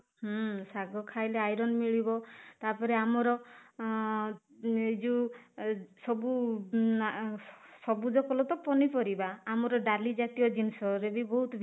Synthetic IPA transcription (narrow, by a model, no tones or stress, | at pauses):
ɦɔsaɡɔkʰajleajɾɔnmiɭibɔt̪aɾpɔɾeamɔɾɔ | id͡ʒu | sɔbu | sɔbud͡ʒɔkɔlɔt̪ɔpɔnipɔɾibaːmɔɾɔɖalid͡ʒat̪ijɔd͡ʒinsɔɾebibɔɦut̪ɔbʱ